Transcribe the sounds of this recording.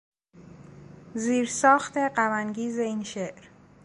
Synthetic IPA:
ziːɾsɒːxt̪ʰe̞ɢæmænɟiːze̞inʃeʔɾ

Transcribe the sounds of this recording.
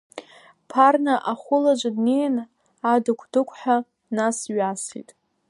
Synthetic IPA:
pʰarnaʔaχʷʊlad͡ʒʷadnejn | adɨkʷʰdɨkʷʰʼħʷᶣa | nasɥasḭtʼ

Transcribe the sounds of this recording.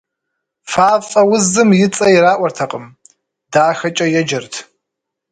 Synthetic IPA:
faːfʼɐwʊzɨmjɪt͡sʼɐjiɾaːʔʷɐrtʰɐqʼəm | daːxɐt͡ʃʼɐjɛd͡ʒɐrtʰ

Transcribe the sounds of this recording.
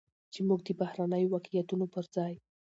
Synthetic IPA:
t͡ʃemuɡ̚d̪əbahɾanəjowakjat̪unopəɾzɑj

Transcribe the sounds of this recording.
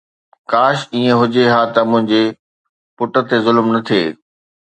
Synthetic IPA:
kaːʃiːẽɦʊd͡ʑeɦaːt̪ɐmʊ̃ɦɪ̃ɲd͡ʑe | pʊʈə̆t̪ezʊlmnɐt̪ʰiḛː

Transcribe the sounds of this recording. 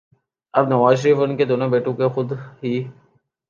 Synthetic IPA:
ɐbnɐʋaːzʃəɾiːfənked̪oːnõbeːʈõkexʊd̪ɦiː

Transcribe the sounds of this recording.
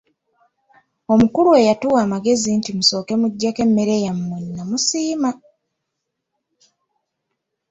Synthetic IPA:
o̞mukuɾue̞jatuwaːmaɡe̞zintimuso̞ːke̞muɟːake̞mːeɾe̞jammwenːamusiːma

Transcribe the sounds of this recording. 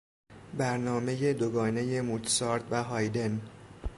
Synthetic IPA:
bæɾnɒːme̞je̞d̪oɡɒːne̞je̞mut̪ʰsɒːɾd̪væɦɒːjd̪e̞n

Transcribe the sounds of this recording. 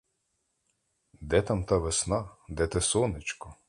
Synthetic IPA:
d̪ɛt̪ɑmt̪ɑʋesnɑd̪ɛt̪ɛsɔnɪt͡ʃkɔ

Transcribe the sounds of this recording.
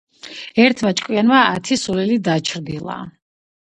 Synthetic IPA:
ɛɾt̪ʰmat͡ʃʼkʼwianmaːt̪ʰisulɛlid̪at͡ʃʰɾd̪ilˠa̰

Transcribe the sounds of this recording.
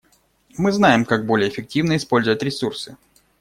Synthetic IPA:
mɨznajɪmkaɡ̚bo̞lʲɪjəːfʲɪk̚tʲivnəɪspo̞lʲzʊvətʲɾʲɪsursɨ

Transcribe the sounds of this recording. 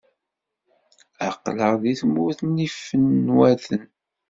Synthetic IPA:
æqːləʁðiθmʊθnifənːwæθən

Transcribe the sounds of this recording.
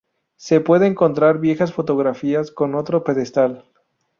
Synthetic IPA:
se̞pwe̞ðeːŋko̞nt̪ɾaɾβje̞xasfo̞t̪o̞ɣɾafiasko̞no̞t̪ɾope̞ðe̞st̪al

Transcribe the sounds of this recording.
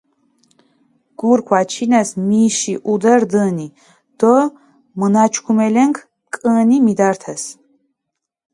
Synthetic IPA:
ɡ̥uɾkʷʰwat͡ʃʰinɛsmiʃiʔud̪ɛɾd̪əni | d̪̥ɔ | mənat͡ʃʰkʰumɛlɛŋkʰ | kʼənimid̪aɾt̪ʰɛs

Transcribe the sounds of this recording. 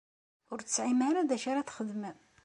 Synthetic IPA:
ʊɾtt͡sːʕimaɾaðæʃaɾaθχəðməð

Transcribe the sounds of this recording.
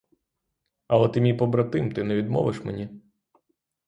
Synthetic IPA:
ɐlˠɛt̪ɪmʲijpɔbɾɐt̪ɪmt̪ɪnɛʋʲid̪mɔ̰ʋɪʃmenʲi

